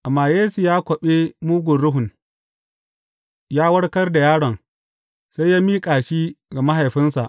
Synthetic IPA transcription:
ʔa˨mːaː˨jeː˦su˨jaː˦kʷɔ˨ɓe˦muː˦ɡʷʊ˨nɽʊ˦ɦʊ˨n | jaː˦wɐ˦ɽkɐ˦rda˨jaː˦ɽɐ˨ŋ | sa˦jaː˦miː˦kʼaː˨ʃiː˦ɡa˨ma˦ɦa˨jɸɪ˦nsa˨ʔ

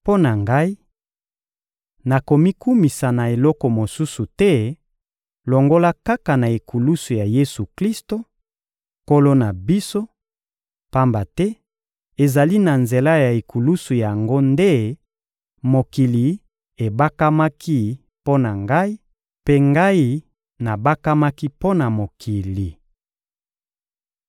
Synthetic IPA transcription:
po˦na˨ŋɡa˦i˦ | na˨ko˨mi˦ku˦mi˨sa˨na˨e˨lɔ˦kɔ˨mo˨su˦su˨tɛ˦ | lo˨ŋɡo˦la˦ka˦ka˨na˨e˨ku˨lu˦su˨ja˨je˦su˨kli˦sto˨ | ko˦lo˦na˨bi˦so˦ | pa˦mba˨tɛ˦ | e˨za˨li˦na˨nze˨la˦ja˨e˨ku˨lu˦su˨ja˨ŋɡo˦nde˦ | mo˨ki˨li˨ | e˨ba˦ka˦ma˦kʰi˦ | po˦na˨ŋɡa˦i˦ | pe˦ŋɡa˦i˦ | na˨ba˦ka˦ma˦ki˦po˦na˨mo˨kʰi˨li˨

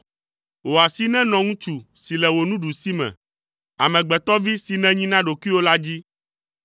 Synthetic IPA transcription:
wo˨a˨si˦nɛ̃˦nɔ̃˨ŋũ˦t͡ʃu˨ | si˨lɛ˨wo˨nũ˦ɖu˨si˦mɛ̰̃˨ | a˨mɛ̃˨ɡ͡bɛ˨t̪ɔ˦vi˦si˨nɛ̃˦ɲĩ˦nã˦ɖo˨ki˦wo˦la˦d͡ʑi˦

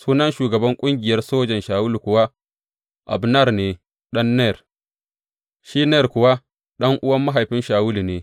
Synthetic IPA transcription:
suː˦nɐ˦nʃuː˨ɡɐ˨bɐ˦ŋkʷʼʊ˦ŋɡʲɪ˨jɐ˦rsoː˦d͡ʒɐ˨nʃaː˨wʊ˦lu˨kʷʊ˨wa˦ | ʔa̰˨bnɐ˦˨rneː˨ | ɗɐ˦nːɛ˦˨r | ʃi˦nɛː˦˨rkʷʊ˨wa˦ | ɗɐ˦ŋʔʊ˦wɐ˦mːa˦ɦa˨jɸɪ˦nʃaː˨wʊ˦lu˨neː˨

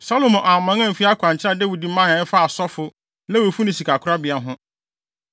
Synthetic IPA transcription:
sa˦lo˨mɔ̃˨ʔa˨mã˨˦ŋã˦m̩˨fi˦a˦kʷʰã˨ɲ˨t͡ɕʰɪ˦ɾa˦dɛ˦wi˨di˨m̩˦mã˦ã˨˦fa˦a˨sɔ˦fʊ˦ | lɛ˦wo˨fu˦nɪ̃˨si˨kʰa˨kʰʊ˦ɾa˦bɪ˨a˨ɦʊ̃˦

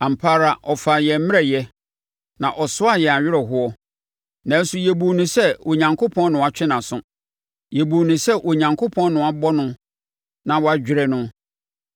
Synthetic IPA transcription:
ã˨m̩˨pʰa˦ɾa˨ʔɔ˨fa˨jɛ˨m̩˦mɪ̃˦ɛ˨jɛ˦ | nã˨ʔɔ˨sʊ˦a˨jɛ˨a˨ɥɪ˦ɾɛ˨ɦʊ˦ɔ˦ | nã˨˦n̩˦su˨jɛ˨bu˨nʊ̃˨sɛ˦˨o˨ɲã˨ŋkʰo˦pʰɔ̃˦nnʊ̃˨a˨t͡ɕᶣɪ˦nã˨sʊ̃˦ | jɛ˨bu˨nɪ̃˨sɛ˦ʔo˨ɲã˨ŋkʰo˦pʰɔ̃˦nnʊ̃˨a˨bɔ˦nʊ̃˦ | nã˨wɔ˨˦a˦d͡ʑᶣɪ˨ɾɛ˦nʊ̃˦

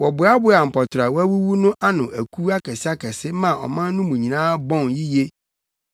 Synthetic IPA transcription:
wɔ˨bʊ˨˦a˦bʊ˦a˨m̩˨pʰɔ˨tʰɾa˨wæ˦wu˦wu˦nʊ̃˦ʔa˦nʊ̃˨ʔæ˨kʰu˦a˦kʰɛ˨sɪ˦a˦kʰɛ˨sɪ˦mã˨ɔ̰˨mã˦n˦nʊ̃˦mũ˨ɲĩ˨nãː˦bɔ̃˦nji˦je˦

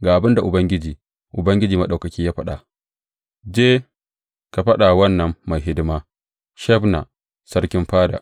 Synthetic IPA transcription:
ɡaː˨ʔa˨bɪ˦nda˨ʔʊ˨bɐ˦ŋɡʲɪ˦d͡ʒiː˨ | ʔʊ˨bɐ˦ŋɡʲɪ˦d͡ʒiː˨ma˨ɗa˨kɐ˨kʲiː˦jaː˦ɸɐ˦ɗa̰˨ | d͡ʒeː˦ | ka˨ɸɐ˦ɗa˨wɐ˦nːɐ˨mːa˨jɦɪ˦dɪ˦maː˦ | ʃɛ˦bna̰˨ | sɐ˦ɾkʲɪ˦mɸaː˦da̰˨ʔ

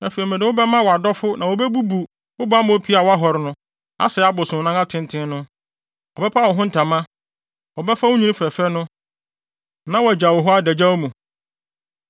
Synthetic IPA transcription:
ɛ˨fe˨i˨mɛ̃˨dɪ̃˨˦wʊ˦bɛ˦mã˦wɔ˨a˨dɔ˦fʊ˦nã˨wɔ˦bɛ˦bu˦bu˨ | ʊ˦bʊ˦a˦mʊ̃˦pʰi˦a˨wɔ˦a˦ɦɔ˨ɾɪ˨nʊ̃˦ | a̰˦sɛ˨˦a˦bʊ˨sʊ̃˨nã˦ŋã˦tʰɪ̃˦n˦tʰɪ̃˦nʊ̃˦ | ɔ˨bɛ˦pʰa˦˨wɔ˨ɦʊ̃˦n̩˦tʰã˨mã˦ | wɔ˨bɛ˦fa˦wʊ̃˦ɲĩ˦nɪ̃˦fɛ˨fɛ˦nʊ̃˦ | nã˦wɔ˨æ˨d͡ʑa˨wɔ˨ɦɔ˦a˦dɛ˨d͡ʑa˦wo˦mũ˨

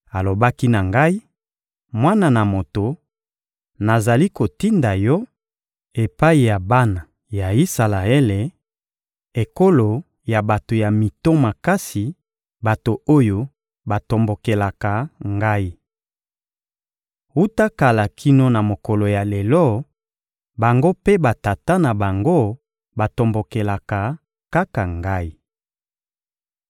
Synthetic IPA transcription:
a˨lo˨ba˦ki˦na˨ŋɡa˦i˦ | mwa˦na˨na˨mo˨to˨ | na˨za˨li˦ko˨ti˦nda˨jɔ˦ | e˨pa˦i˨ja˨ba˦na˨ | ja˨i˦sa˨la˨e˦le˨ | e˨ko˦lo˨ | ja˨ba˨to˨ja˨mi˨to˦ma˨ka˦si˨ | ba˨to˨o˦jo˦ | ba˨to˨mbo˨ke˨la˨ka˨ŋɡa˦i˦ | u˦ta˦ka˨la˨kʰi˦no˦na˨mo˨kɔ˨lo˨ja˨le˨lɔ˦˨ | ba˨ŋɡo˦pe˦ba˨ta˨ta˦na˨ba˨ŋɡo˦ | ba˨to˨mbo˨ke˨la˨ka˨ | ka˦ka˨ŋɡa˦i˦

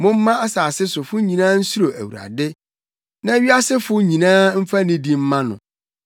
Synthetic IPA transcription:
mʊ̃˦m̩˦mã˦a˦saː˨sɪ˦sʊ˨fʊ˦ɲĩ˨nãː˦n̩˦su˦ɾo˨æ̰˨wṵ˨ɾa̰˨dɪ˦ | nã˦ɥi˦a˦sɪ˦fʊ˦ɲĩ˨nãː˦m̩˦fa˦nɪ̃˦di˦m̩˦mã˦nʊ̰̃˨

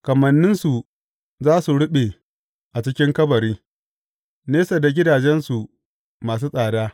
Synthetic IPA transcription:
kɐ˨mɐ˨nːɪ˦nsu˨ | zaː˦su˨ɽʊ˦ɓe˨ | ʔa˨t͡ʃɪ˦kʲɪ˦ŋkɐ˦bɐ˨ɾiː˦ | neː˦sa˨da˨ɡʲɪ˦daː˨d͡ʒɛ˦nsu˨ | maː˨s̬uː˦sʼaː˨daː˦

